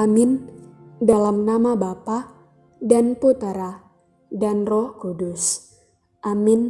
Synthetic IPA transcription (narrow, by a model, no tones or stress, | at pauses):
amɪndalamnamabapa | danput̪aɾa | danrɔhkudus | ʔamɪn